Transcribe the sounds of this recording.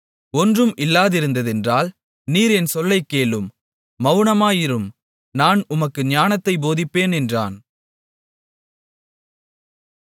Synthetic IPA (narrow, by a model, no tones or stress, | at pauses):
ɔndrɯmʔɪlːaːðɪɾɯnd̪ɐðɛndraːl | niːɾɛnsɔlːɐɪkːeːɭɯmː | ɐʋɳɐmaːjɪɾɯm | naːnʊmɐkːɯɲaːnɐt̪ːɐɪboːðɪpːeːnɛndra̰ːn